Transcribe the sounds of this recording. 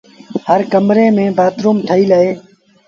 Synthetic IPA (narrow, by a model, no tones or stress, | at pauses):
həɾkəmɾeːmẽːbaːt̪ɾoːmʈ̪ʰəiːləeː